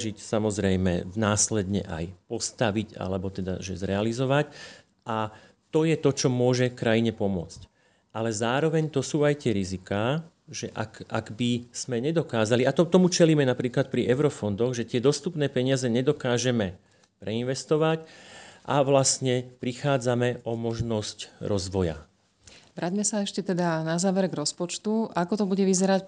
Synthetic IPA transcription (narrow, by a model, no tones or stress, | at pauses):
ʒicsamɔzɾɛjmɛ̰naːslɛd̪ɲɛ̰ʔa̰jpɔst̪aʋiɟa̰lɛbɔt̪ɛd̪a̰ʒɛ̰zɾɛalizɔʋac | ʔa | t̪ɔjɛt̪ɔt͡ʃɔmʊɔʒɛfkɾajiɲɛpɔmʊɔ̰t͡sc | ʔalɛzaːɾɔʋɛɲt̪ɔsuːajt̪ɪɛɾizikaː | ʒɛʔa̰ka̰ɡbiz̥mɛɲɛd̪ɔkaːzaliat̪ɔt̪ɔmut͡ʃɛliːmɛnapɾiːklat̪̚pɾiʔɛʊɾɔfɔnd̪ɔɣʒɛt̪ɪɛd̪ɔst̪upnɛːpɛɲɪazɛɲɛd̪ɔkaːʒɛmɛ | pɾɛinʋɛst̪ɔʋacʔa̰ʋlastɲɛpɾixaːd͡zamɛʔɔmɔʒnɔscɾɔzʋɔja̰ | ʋɾaɟmɛsaɛʃcɛt̪ɛd̪anazaːʋɛɾɡɾɔspɔt͡ʃt̪uakɔt̪ɔbuɟɛʋizɛɾac